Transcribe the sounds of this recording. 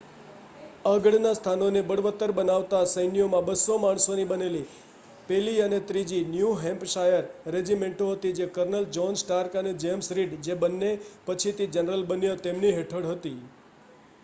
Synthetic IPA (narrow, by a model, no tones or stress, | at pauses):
əɡəɽnast̪ʰanonebəɽʋət̪ːəɾbənaʋt̪asəjnijomãbəsomaɳ̃sonibəneli | peliənet̪ɾid͡ʒinjuɦɛ̃mpʃajəɾːed͡ʒimeɳʈoɦət̪id͡ʒekəɾnəld͡ʒɔnsʈaɾkəned͡ʒemsɾiɖd͡ʒebənːepət͡ʃʰit̪id͡ʒənɾəlbənjət̪emniɦeʈʰəɽɦət̪i